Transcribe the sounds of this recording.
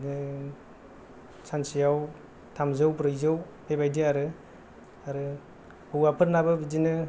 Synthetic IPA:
nɯ | sansijaw | tʰamzɯwpɾɯjzɯw | pʰebajdiaɾɯ | aɾɯ | bɯwapʰɯɾnabɯbid͡ʒinɯ

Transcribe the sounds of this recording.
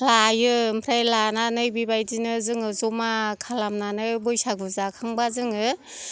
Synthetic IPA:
lajɯmpʰɾajlananɯjbibajdinɯzɯŋɯzɔmakʰalamnanɯjbɯjsaɡɯzakʰaŋbazɯŋɯ

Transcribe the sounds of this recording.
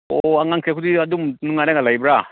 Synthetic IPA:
oaŋaŋkʰiakʰudiadumnuŋanaŋalajbɾa

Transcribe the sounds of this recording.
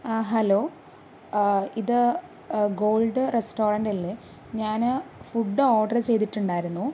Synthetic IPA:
ɦɐloː | iðɨ | ɡo̞ːlɖɨresʈo̞ːrɐnɖɐlːe | ɲaːnfuɖːɨoːɖɐrt͡ɕe̞jt̪iʈːuɳɖaːjiɾunːu

